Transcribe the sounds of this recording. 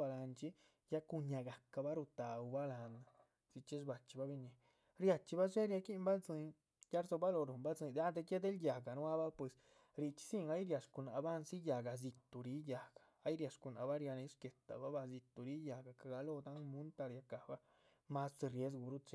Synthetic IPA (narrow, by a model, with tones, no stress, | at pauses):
ba˧la˧nt͡ʃi˦ | ja˦ku˧ɲa˧ɡa˨ka˧ba˦ɾu˧t̪a˨u˨˧ba˦la˧na˨ | si˧t͡ʃi˦sba˨t͡ʃi̥˧ba˦bi˧ɲi˧ | ɾja˧t͡ʃi˧ba˦ʃe˦ɾja˧ki˦mba˦zɨ˧n | ja˦ɾzo˧ba˦lo˧ɾo˨mba˦zɨ˧d̪a˦d̪e˧ke˦d̪e˦lja˨ɡa˨nwa˦ba˦pwe˨s | ɾi˧t͡ʃi̥˧si˦ŋa˦jɾja˨ʂku˧˨na˧ba˦nsi˦ja˨ɡa˨z̬i˧t̪u˨ɾi˧˦ja˨ɡḁ˨a˦jɾja˧ʂku˧˨na˨ba˦ɾja˧ni˧˦ʂke˨t̪a̰˨ba˦ba˧zi˧t̪u˨ɾi˦ja˨ɡa˨ka˨ɡa˧lo˧d̪a˦ŋmu˦nt̪a˧ɾja˧ka˨ba˦ | ma˦sdi˧ɾje˦z̬ɡu˧ɾu˦t͡ʃe˧